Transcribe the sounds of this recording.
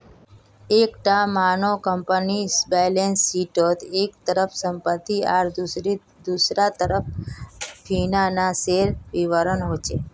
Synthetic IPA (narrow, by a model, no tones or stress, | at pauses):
ekʈamanokəmpənisbejlensːiʈot̪ekt̪əɾəfsəmpət̪ːiaɾd̪ɾi | d̪usɾat̪əɾəp̚ʰ | fʰinanaseɾʋiʋəɾənɦot͡ʃʰe